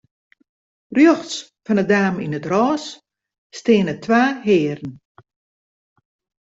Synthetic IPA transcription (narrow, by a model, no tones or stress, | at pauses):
rjøxs | fɔnədaːminətrɔːs | stɪənətʰwaːɦɪːɾən̩